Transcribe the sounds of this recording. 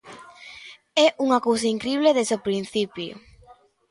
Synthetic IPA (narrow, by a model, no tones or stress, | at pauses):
ɛʔuŋakowsaiŋkɾiβleðezopɾin̟θipjo̰